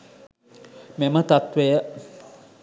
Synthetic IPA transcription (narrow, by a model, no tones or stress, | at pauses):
memət̪at̪ʋejə